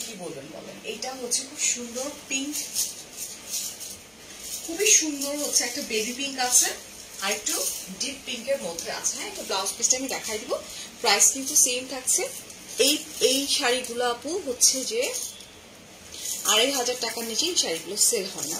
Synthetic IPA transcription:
kibolbenbɔ̰lḛnejʈaɦotːɕʰekʰubʃund̪oɾpiŋk | kʰubiʃund̪oɾɦotːʰeɛk̚ʈabebipiŋkat͡ɕʰe | aɾek̚ʈuɖippiŋkeɾmod̪ʱea̰t͡ɕʰenaɛk̚ʈablawspisʈaamid̪ɛkʰajd̪ibopɾajskit̪usemt̪ʰak̚t͡ɕʰeejejʃaɾiɡuloapuɦotːɕʰed͡ʑe | aɾejɦad͡ʑaɾʈakanit͡ɕeejʃaɾiɡuloselɦɔena̰

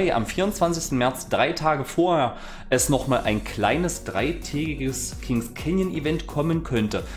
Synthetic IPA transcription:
ɪʔa̰mfiːɐʊnt͡sv̥ansɪçstn̩mɛɐt͡sd̥ʁaɪtʰaːɡəfoːɐheːɐ | ʔɛsnɔχmaːlʔaɪnkl̥a̰ɪnəsd̥ʁaɪtʰɛːɡɪɡəskʰɪŋskʰɛnjənivɛntkʰɔmənkʰœntə

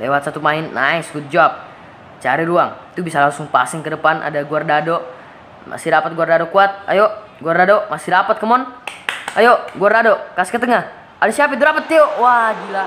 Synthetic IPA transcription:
lewat̪̚sat̪umaɪnːaiskut̪̚d͡ʒaap̚ | t͡ʃaɾiɾuaŋt̪ubisalaŋsʊŋpa̰siŋkədəpanʔa̰daɡuardado | ma̰sidapat̪̚ɡuardadokuat̪̚a̰jo | ɡuardadomasidapat̪̚kəmɔn | ajoɡuardadokasi̥kət̪̬əŋah | adasiapit̪uɾapət̪̚ːijowad͡ʒila

